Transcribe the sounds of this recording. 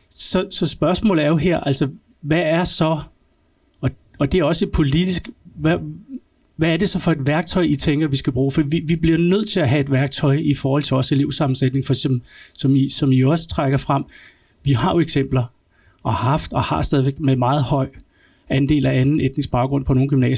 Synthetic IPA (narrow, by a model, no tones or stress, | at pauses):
sɒ̽sɒ̽sb̥ɶɐsmɔ̰̽ːlð̩ˠæɐjo̝ɦeɐ̰ʔælsɐ | ʋææɐsɒ̽ | ɒ̽ | ɒd̥e̝æɐɒ̽səe̝d̥̚pʰo̝lid̥isɡ̥ʋæ | ʋææɐde̝sɒ̽fɒ̽e̝d̥ʋæɐɡ̥̚t͡sʰɒ̽ɪʔit͡sʰeŋ̰ɡ̥ɐʋisɡ̥æb̥ʁuːfɒd̥iʋiʋibliɐnøð̰ˠt͡sʰe̝læɦæe̝d̥ʋæɐɡ̥̚t͡sʰɒ̽ɪifɒːhɒl̰t͡sʰe̝ɒːse̝le̝ʊsɑ̈mn̩sed̥ne̝ŋfɒ̥sɒ̽msɒ̽misɒ̽miɒ̽sə̥t͡sʰʁaɡ̥ɐfʁam̰ | ʋihɑ̈joeɡ̥sem̰b̥lɐ | ɒ̽hɑ̈fd̥ɒ̽hɑ̈sd̥ɛːðˠʋeɡ̥̚memɑ̈ːð̞̩ˠhɒ̽ɪ̰ | ænd̥e̝̰ːlæænn̩ed̥e̝ŋsb̥ɑ̈ʊɡ̥ɔ̽n̰pʰɒno̝ːn̩ɡ̥ymnɛ̰ːs